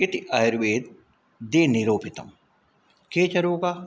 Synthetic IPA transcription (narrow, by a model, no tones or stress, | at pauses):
et̪iʔɐjɾʋeːd̪̚ | d̪eːniɾoːpit̪ɐ̰m | keːt͡ʃɐɾoːka